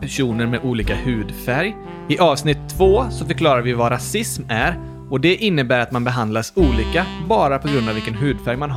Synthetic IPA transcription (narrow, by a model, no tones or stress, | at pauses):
pæʂuːnəɾmɛʔuːliːkahʉ̟ːd̪fæɾj | ɪʔɑːvsnɪt̪ʰːvoːsɔfœɾkʰlɑːɾaɾvɪvaɾasɪsmæɾ | ɔd̪ɛʔɪnːəbæːɾat̪manbɛɦand̪lasuːliːkabɑːɾapʰɔɡɾɵnd̪avɪlkənɦʉ̟ːd̪fæɾjmanɦ